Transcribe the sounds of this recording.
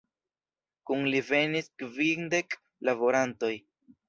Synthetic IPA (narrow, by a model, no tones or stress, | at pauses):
kunlive̞niskvinde̞k | lavo̞ɾanto̞j